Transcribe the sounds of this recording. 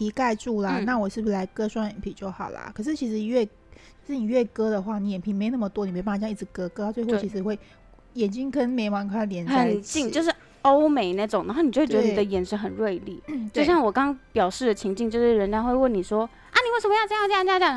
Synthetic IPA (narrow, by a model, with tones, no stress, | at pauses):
t̪i˧˥ka˥˧ɪʈ͡ʂu˥˩lə˨˩na˥˩wɔ˨˩ʂɻ̩˥˩bu˩la˧˥ɪkɤ˥ʂwa˥njɛ˨˩npʰi˨˩t͡ɕjo˥˩ʊxɑ˨˩ʊlɐ̰˩kʰɤ˨˩ʂ̬ɻ̩˥˩t͡ɕʰi˧˥ʂɻ̩˧ɥɛ˥˩ | t͡s̩˥˩t͡ɕi˨˩ɥɛ˥˩kɤ˥d̪ə˨xwa˥˩ni˧˥jɛ˨˩npʰi˧˥ŋme˧˥ɪ˨˩nə˥˩ə˩t̪wɔ˥ni˨˩˧bjɑ˥˧˦i˥˩ʈ͡ʂɻ̩˧˥˦kɤ˥kɤ˧˥a˥˧t͡swe˥˧xʊt͡ɕʰi˧˥ʂ̬ɻ̩˧˥xwe˥˩ɪ | jɛ˨˩nt͡ɕi˦˥ŋkə˥nme˧˥ɪwa˧˥nkʰa˥˧ljɛ˧˥nxə˨˩nt͡ɕi˥˧ŋt͡ɕjo˥˧ʊʂ̬ɻ̩˥˩ | o˦˥ʊme˨˧˥ɪna˥˩ʈ͡ʂʊ˨˩ŋa˧˥xni˨t͡ɕo˥˧˥tt͡ɕɥe˧n˨˩d̪ə˦˩jɛ˨˩nʂɻ̩˥xə˨˩nɻwe˥˧ɪli˥˨˩t͡ɕjoe˥˧ʊɕjɑ˥˩ŋwɔ˨˩kɑ˥ŋpjɑ˨˩ʊʂɻ̩˥˩d̪ə˩t͡ɕʰi˧˥ŋt͡ɕi˥˧ŋt͡ɕjo˥˧ʊʂɻ̩˥˩ɻə˧˥nt͡ɕɑ˥ŋxwe˥˧ɪwə˥˩nni˨˩ʂwɔ˥ | a˥˩ni˨˩we˥˩ʂə˧m˧˥jɑ˥˧ʈ͡ʂa˥jja˥˧˥ja˥˩